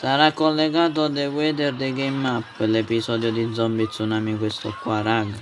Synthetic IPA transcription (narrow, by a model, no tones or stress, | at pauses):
saɾakːolːɛɡaːt̪oad̪ewɛd̪ɛrd̪eɡemapːelɛpisɔːd̪jod̪id̪zɔmbit̪sunamikwest̪okːwaraɡ